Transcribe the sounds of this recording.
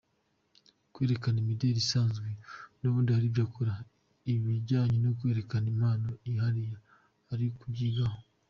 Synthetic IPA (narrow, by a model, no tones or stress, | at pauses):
kwe̞ːɾe̞kanimideɾisaːnzɡwenoβuːndihaɾibjakʰoɾa | iβiɟaːɲenokwe̞ːɾe̞kanimaːno̞iɦaɾijaː | ɾikuɟiɡaho